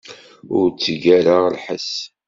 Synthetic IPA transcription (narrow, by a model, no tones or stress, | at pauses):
ʊɾt͡sːɡæɾaʁlħəs